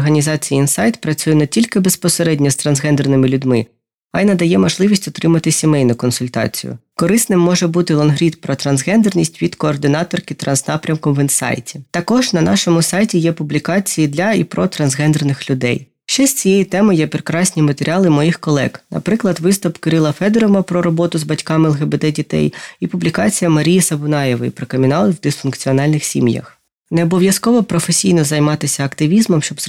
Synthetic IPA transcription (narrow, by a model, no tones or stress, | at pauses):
rɦɐnʲizɑt͡sʲijiinsɑjt̪pɾɐt͡sʲujɛnetʲilʲkɪbespɔseɾɛdʲnʲɔst̪ɾɐnzɦɛnd̪ernɪmɪlʲʊdʲmɪ | ɐjnɐd̪ɐjɛmɔʒlˠɪʋʲisʲtʲɔt̪ɾɪmɐt̪ɪsʲimɛjnʊkɔnsʊlʲt̪ɑ̰t͡sʲḭjʊ̰kɔɾɪsnɪmːɔʐɛbut̪ɪlˠɔnɦɾʲit̪pɾɔt̪ɾɐnzɦɛnd̪ernʲisʲtʲʋʲid̪kɔːrd̪ɪnɑt̪ɔrkɪt̪ɾɐnznɑpɾʲɐmkɔmʋinsɑ̰jtʲi̥t̪ɐkɔʒnɐnɑʃɔmʊsɑjtʲijɛpʊblʲikɑt͡sʲijid̪lʲɐipɾɔt̪ɾɐnzɦɛnd̪ɾɐnɪxlʲʊd̪ɛ̰j | ʃt͡ʃɛsʲt͡sʲijɛjit̪ɛmɪjɛpɾɪkɾɑsʲnʲimɐt̪eɾʲɑlˠɪmɔjixkɔlˠɛ̰ɡnɐ̰pɾɪklˠɐd̪ʋɪst̪ʊpkɪɾɪlˠɐfɛd̪eɾɔmɐpɾɔɾɔbɔt̪ʊzbɐtʲkɑmɛlˠɦebed̪ɛdʲit̪ɛ̰jipʊblʲikɑt͡sʲijɐmɐɾʲijisɐbʊnɑjeʋɔjipɾɔkemʲinɑlˠʋd̪ɪsfʊnkt͡sʲiɔnɑlʲnɪxsʲḭmjɐ̰x | neɔbɔʋʲjɐskɔʋɔpɾɔfesʲijnɔzɐjmɑt̪ɪsʲɐɐkt̪ɪʋʲizmɔmʃt͡ʃɔb̪